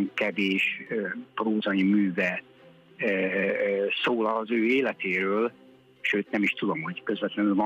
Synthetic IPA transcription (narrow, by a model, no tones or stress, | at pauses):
ŋkɛveːʃøproːzɒimyːvɛ | soːlɒːzøːeːlɛt̪eːɾøːl | ʃøːt̪nɛmiʃt̪ud̪o̞mho̞ɟkøzvɛt̪lɛnylvɒ